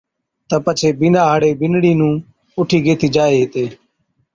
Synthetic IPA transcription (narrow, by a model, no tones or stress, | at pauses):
t̪əpət͡ʃʰeːbɪnaːɦaːɽeːbɪnɽiːnũː | ʊʈʰiːɡeːt̪ʰiːd͡ʒaːeːɦeːt̪eː